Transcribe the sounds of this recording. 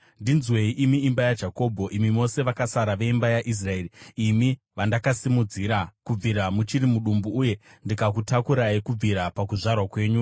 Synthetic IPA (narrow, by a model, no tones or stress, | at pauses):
ndinzwe̞iʔimiimbajad͡ʒako̞ːbʱo̞ʔimimo̞se̞ʋakasaɾaʋe̞imbajaʔis̬rae̞ːriimi | ʋandakasimud͡ziɾakub͡viɾamut͡ʃiɾimuɗumbuːje̞ndikakutakuɾaikub͡viɾapakuʐarwakwe̞ːɲu